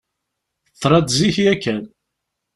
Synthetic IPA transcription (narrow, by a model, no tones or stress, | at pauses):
t̪ˤːɾˤɑd̪ziçjækːæn